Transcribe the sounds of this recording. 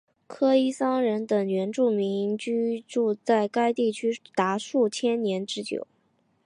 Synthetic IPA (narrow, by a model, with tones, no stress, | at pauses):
kʰɤ˥i˥sɑ˥ŋɻə˧˥nt̪ə˨˩ŋjɥɛ˧˥nʈ͡ʂu˥˩mi˧˥ŋt͡ɕy˥ʈ͡ʂu˥˧t͡sa˥˩ɪka˥ɪt̪i˥˩t͡ɕʰy˥t̪a˧˥ʂu˥˩t͡ɕʰjɛ˥nnjɛ˧˥nʈ͡ʂɻ̩˥t͡ɕjo̰˨˩˦ʊ